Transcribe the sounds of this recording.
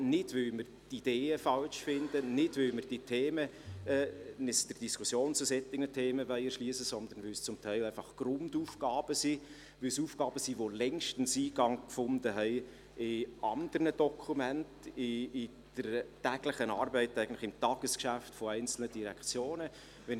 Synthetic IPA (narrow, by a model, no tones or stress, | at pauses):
nɪdʋʏlmərtid̥eːəfɑlʃfɪndənɪd̥ʋʏlmərd̥itʰeːməɛnɪsd̥ərd̥iskʰʊsjoːnt͡sʊsɛt̪ːɪɡnətʰeːməʋœɪəɾʃliːsəsɔnd̪ənʋʏlst͡sʊmtʰæɪlæɪfɑχɡ̥rʊnduːfɡ̥ɑːb̥əsi | ʋɪlsuːfɡɑːb̥əsiʋolɛŋʃtən̩siːɡɑŋkfʊndəɦɛɪ | ɪɑnd̥̪ərnəd̥ɔkʰumæntɪɪ | d̥ətæːɡ̥lɪχənɑːrbɛɪtæɪɡən̩tlɪ̥χɪmtɑːɡ̥əskʃæftfɔæɪnt͡sl̩nədiɾɛkʰt͡sjoːnə | ʋɛn